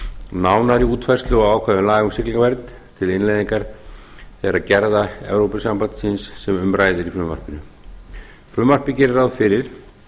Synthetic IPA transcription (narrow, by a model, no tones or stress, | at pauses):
naːwnaɾiuːt̪fajrst̪lʏɔɣaːwkʰvaːðʏmlaːɣʏmsɪkliŋkavɛɾt̪n | t̪ʰɪlɪnlajðiŋkaɾ̥ | θɛɣaɾaðcɛɾðaɛ̰vɾowpʏsampant̪sɪnsːɛmʏmraːjðɪɾifɾʏmva̰r̥pɪnʏ | fɾʏmvar̥pɪcɛɾɪɾawðfɪɾɪɾ̥